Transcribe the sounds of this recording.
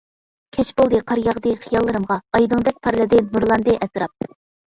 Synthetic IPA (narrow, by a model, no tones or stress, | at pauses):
kʲʰɛt͡ʃbolˠd̪ɨqʰɑɾjɑʁd̪ɨχijɑlˠːɨɾɨmʁɑɑjd̪ɨŋd̪ɛk̚ʲpʰɑɾlˠɨd̪ɨnuɾlˠɑnd̪ɨʔɛsɾɑp̚